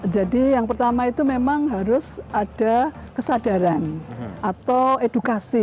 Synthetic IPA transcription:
d͡ʒadijaŋpərt̪amait̪umemaŋɦaɾʊsad̥a | kəsadaɾanʔat̪awedukasi

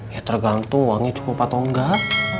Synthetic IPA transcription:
jat̪ərɡant̪ʊŋwaŋɛt͡ʃu̥kʊpːat̪oŋɡa

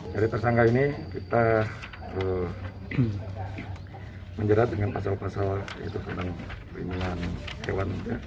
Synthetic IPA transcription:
d͡ʒaɾit̪ərsaŋkainikit̪a | ə | məɲd͡ʒəɾat̪̚dəŋanpasalpasalja̰ḭt̪usənt̪aŋ | iniŋanhḛwanit̪a

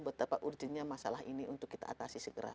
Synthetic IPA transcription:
bət̪apaʔurd͡ʒənɲamasalaɦiniʔunt̪ʊkːit̪a̰ːt̪asisəɡəɾa̰

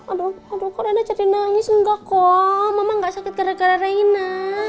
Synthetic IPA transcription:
adoadɔkɔɾanat͡ʃaɾinaɲisəŋɡakɔmamaŋɡaʔsakɪt̪̚kaɾakaɾaɾaina

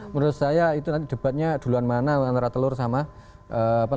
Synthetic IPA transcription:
məɾʊt̪̚sajait̪unant̪id̥ə̤b̥at̪̚ɲad̪̥ṳluanmanaant̪aɾat̪əlʊrsama | ʔəpa

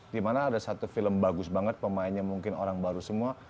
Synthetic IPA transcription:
dimanaːdasat̪ufiləmbaɡʊsbaŋət̪̚pəmaɪnɲamuŋkɪno̰ɾaŋbaɾusəmua

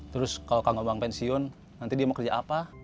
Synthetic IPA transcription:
t̪əɾʊskalokaŋombaŋpɛnsiɔnː | ant̪idiamakərd͡ʒaʔapa

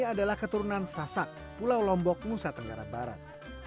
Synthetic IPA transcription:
aadalahkət̪uɾunansasak̚ | pulawlɔmbɔk̚ŋusat̪əŋɡaɾa̰baɾa̰t̪̚

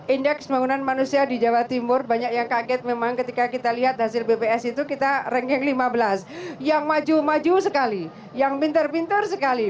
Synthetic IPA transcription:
ʔindɛksbaŋunanmanusiadid͡ʒawat̪imʊrbaɲak̚jaŋkaɡɛt̪̚memaŋkət̪ikakit̪aliɦat̪̚hasɪlbepeɛsit̪ukit̪arɛŋkɛŋlimabəlasjaŋmad͡ʒumad͡ʒusəkali | jaŋpint̪ərpint̪ərsəkali

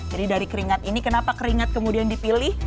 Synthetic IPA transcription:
d͡ʒadidaɾikəɾiŋat̪inikənapakəɾiŋat̪̚kəmudiandipilɪh

